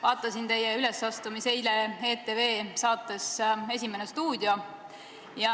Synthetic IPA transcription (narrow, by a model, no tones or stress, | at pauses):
vɑːt̪ːˑɑsint̪e̞jːeyle̞sɑst̪umiseilee̞ːt̪ːˑeveːsɑːt̪ːˑe̞se̞s̬ʲimenest̪uːd̪jo̞ | jɑ